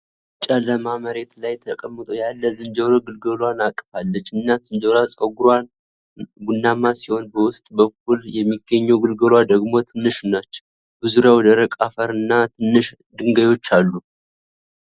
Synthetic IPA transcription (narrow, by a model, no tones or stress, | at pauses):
t͡ʃʼələmaməɾe̞t̪lajt̪ʰəkʼəmːɨt̪ʼojalːəzɨnd͡ʒəwɾoɡɨlɡəlwanakʼːfalːət͡ʃːɨnːazɨnd͡ʒəlasʼəɡuɾwan | ɡunːamasiho̞nbəwʊst̪ʼbək̚ʰːuljɛmːiɡəɲːɛwɡɨlɡəlwad̪əɡmo̞t̪ʰɨnːɨʃɨnat͡ʃːɛ̥w | bɨzuɾjawɔd̪əɾəkʼafəɾɨnːat̪ʰɨnːɨʃ | d̪ɨŋɡəjo̞t͡ʃːalːu